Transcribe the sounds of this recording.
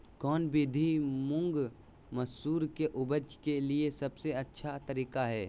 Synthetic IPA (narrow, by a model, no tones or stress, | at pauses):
kɔːnbɪd̪ʱimʊ̃ŋɡ | məsuːɾkeʔʊbəd͡ʒkeliesɐbseɐtːʃʰat̪ɐɾiːkaɦɛː